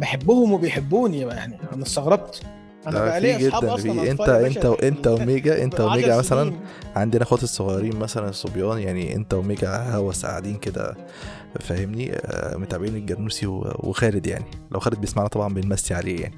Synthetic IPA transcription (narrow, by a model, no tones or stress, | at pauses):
beħebːohomwebejħebːuːniæmæʔeħnæʔænæst̪ɑɣɾˤɑb̚t̪ | æfiːɡed̪ːænfiːʔent̪æʔent̪æwʔent̪æwemeːɡæʔḛnt̪æwemeːɡaʕmæsælænʕand̪iʔænæxot̪esˤːoɣɑːɾiːnmæsælænsˤːobjɑːnjaʕniʔḛnt̪æwemeːɡæhæwæsa̰ʕad̪iːnked̪æ̰ | fæhemnimot̪ʕabiːneɡæɾnuːsiwḛwḛxæːɾed̪ja̰ʕnilʔæ̰wxæːɾed̪̚bejesmaʕnæt̪ˤɑbʕɑmbenmæst̪iʕaleːjaʕni